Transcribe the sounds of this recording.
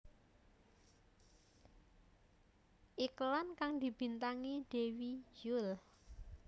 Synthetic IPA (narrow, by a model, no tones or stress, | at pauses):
ʔiklankaŋd̪ib̥i̤nt̪aŋid̪̥e̤wid͡ʒul